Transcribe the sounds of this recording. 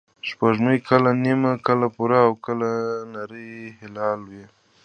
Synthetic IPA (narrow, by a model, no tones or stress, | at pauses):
ʃpaʒməjkalanimakəlapuɾaːwkəlanaɾəjhɪlɑlwe